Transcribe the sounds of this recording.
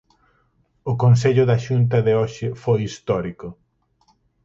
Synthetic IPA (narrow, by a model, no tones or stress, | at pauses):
ʊkons̬eʎʊðɐʃunt̪̬ɐðeoʃɪfojist̪ɔɾikʊ